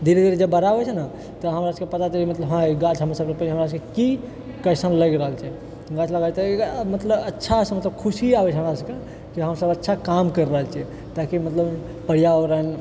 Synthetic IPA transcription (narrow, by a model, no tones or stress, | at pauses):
d̪ʱiɾed̪iɾed͡ʒebəɾabɛt͡ʃʰɛna | t̪ɔɦəmɾaskepət̪at̪eimət̪ləbɦãɡat͡ʃʰɦəmɾasəbsepənɦəmɾaskeki | kəɪsənləɡɾəɦəlt͡ʃʰɛ | ɡat͡ʃʰləɡat̪ɔmət̪ləbətːʃʰasə̃mət̪ləb̚kʰusiabɛt͡ʃʰɦəmɾasəke | kiɦəmsəbətːʃʰakamkəɾːəɦəlt͡ʃʰɛ | t̪akimət̪ləb | pəɽ̤ijaɾən